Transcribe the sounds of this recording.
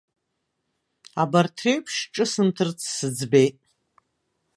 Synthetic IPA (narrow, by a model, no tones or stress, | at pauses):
abartʰreɥpʰʂʈ͡ʂʼɨsɨmtʰɨrt͡sʰsɨd͡zbejtʼ